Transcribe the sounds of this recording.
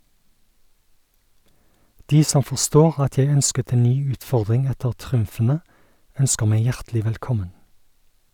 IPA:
ˈdiː ˈsɔm fɔʁˈstoːʁ ˈɑt ˈjæɪ ˈœnskət ˈeːn ˈnyː ˈʉːtˌfɔʁdʁɪŋ ˈɛtəʁ ˈtʁʉmfn̩ə ˈœnskəʁ ˈmæɪ ˈjæʁtlɪ ʋɛlˈkɔmən

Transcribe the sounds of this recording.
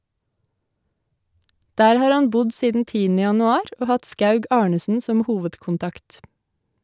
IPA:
ˈdæːɾ ˈhɑːɾ ˈhɑn ˈbʊd ˈsiːdn̩ ˈtiːənə jɑnʉˈɑːɾ ˈoː ˈhɑt ˈskɑʉɡ ˈɑːɳəsn̩ ˈsɔm ˈhuːʋədkʊnˌtɑkt

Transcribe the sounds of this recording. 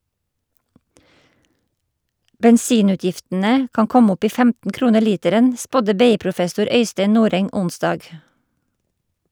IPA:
bɛnˈsiːˌnʉːtjɪftn̩ə ˈkɑːŋ ˈkɔm ˈɔp ˈiː ˈfæmtn̩ ˈkɾuːnəɾ ˈliːtəɾən ˈspɔdə ˈbeːˌiːpɾʊˌfɛsʊɾ ˈœʏsteɪ ˈnuːɾɛŋ ˈʊnsdɑːɡ

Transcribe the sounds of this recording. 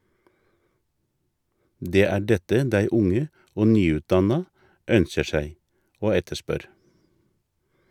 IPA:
ˈdeː ˈæː ˈɖɛtə ˈdæɪ ˈʊŋə ˈoː ˈnyːˌʉːtˌdɑnɑ ˈœnçə ˈʃæɪ ˈoː ˈɛtəˌʃpœɾ

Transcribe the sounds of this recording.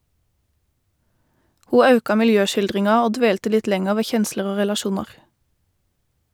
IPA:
ˈhuː ˈɑʉkɑ mɪlˈjøːʃɪlˌdʁɪŋɑ ˈoː ˈdʋeːltə ˈlɪt ˈlɛŋəʁ ˈʋeː ˈçɛnsləʁ ˈoː ʁɛlɑˈʃuːnɑʁ

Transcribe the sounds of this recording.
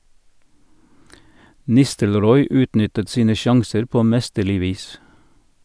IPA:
ˈnɪstəlˌɾɔʏ ˈʉːtˌnʏtət ˈsiːnə ˈʃɑŋsəɾ ˈpoː ˈmɛstəˌlɪ ˈʋiːs

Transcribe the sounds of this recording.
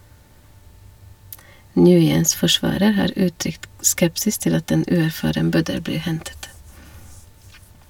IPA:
ˈnjʉːjəns fɔˈʃʋɑːɾəɾ ˈhɑːɾ ˈʉːˌtɾʏkt ˈskɛpsɪs ˈtɪl ˈɑt ˈeːn ˈʉːæɾˌfɑːɾəm ˈbœdəl ˈbliː ˈhɛntət

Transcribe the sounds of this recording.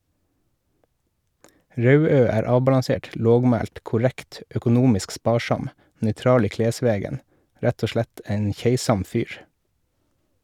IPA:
ˈɾɑʉˌøː ˈæːɾ ˈɑːbɑlɑˌseːʈ ˈloːɡˌmæːlt kʊˈɾækt œkʊˈnuːmɪsk ˈspɑːˌʃɑm nœʏˈtɾɑːl ˈiː ˈkleːˌsʋeːɡən ˈɾæt ˈoː ˈʃlæt ˈæɪn ˈçeɪsɑm ˈfyːɾ

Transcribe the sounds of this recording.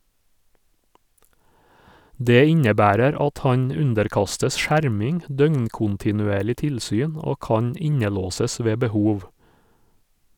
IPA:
ˈdeː ˈɪɲəˌbæːɾəɾ ˈɑt ˈhɑɲ ˈʉndəɾˌkɑstəs ˈʃæɾmɪŋ ˈdœŋɲkʊntɪnʉˌeːɭɪ ˈtɪlsyːn ˈoː ˈkɑːɲ ˈɪɲəˌloːsəs ˈʋeː bəˈhuːʋ

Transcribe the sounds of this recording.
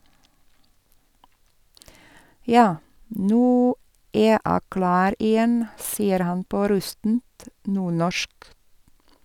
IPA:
ˈjɑː ˈnʉː ˈeː ˈæː ˈklɑːɾ ɪˈjɛn ˈsiːəɾ ˈhɑn ˈpoː ˈɾʉstn̩t ˈnuːɳɔʃk

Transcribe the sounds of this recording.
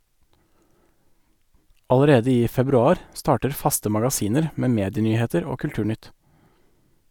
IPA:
ɑləˈɾeːdə ˈiː fɛbɾʉˈɑːɾ ˈstɑːʈəɾ ˈfɑstə mɑɡɑˈsiːnəɾ ə ˈmeː ˈmeːdɪˌnyːˌheːtəɾ ˈoː kʉlˈʈʉːˌɳʏt

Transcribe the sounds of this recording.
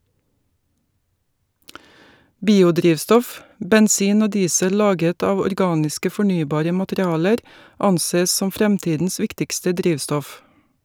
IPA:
ˈbiːʊˌdɾiːʋstɔf bɛnˈsiːn ˈoː ˈdiːsə ˈlɑːɡət ˈɑːʋ ɔɾˈɡɑːnɪskə fɔˈɳyːbɑːɾə mɑtəɾɪˈɑːləɾ ˈɑnˌseː ˈsɔm ˈfɾɛmˌtiːdn̩s ˈʋɪktɪkstə ˈdɾiːʋstɔf

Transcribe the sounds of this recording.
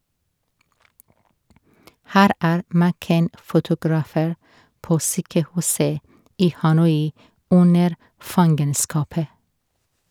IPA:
ˈhæːɾ ˈæːɾ mæˈkɛn fʊtʊɡɾɑˈfeːɾ ˈpoː ˈsyːkəˌhʉːsə ˈiː hɑˈnɔʏ ˈʊnəɾ ˈfɑŋɡənskɑpə

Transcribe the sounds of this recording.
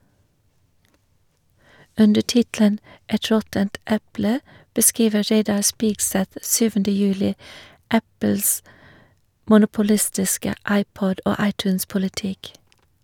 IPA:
ˈʉndə ˈʈɪtlən ˈɛt ˈɹɔtənt ˈɛplə bəˈskɹiːʋə ˈɹeɪdɑ ˈspiːɡˌsɛθ ˈsyːʋəndə ˈjʉːlɪ ˈæpl̩s mʊnʊpʊˈlɪstɪskə ˈɑɪˌpɔd ˈoː ˈɑɪˌtʉːnspʊlɪˌtɪk

